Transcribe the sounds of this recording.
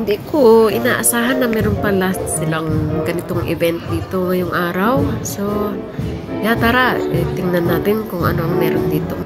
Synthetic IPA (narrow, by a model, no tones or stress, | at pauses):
hnd̪iʔkoɪnaːʔasaːɦanːɐmɛːɾonpɐlast̪sɪlaŋɡɐnɪt̪oŋʔɪ̰bɛnt̪̚d̪iːt̪oŋɐjʊŋʔaːɾawso | jat̪aːɾaɛt̪ɪŋnanːaːt̪ɪnkʊŋʔɐ̰noʔɐŋmɛːɾond̪iːt̪o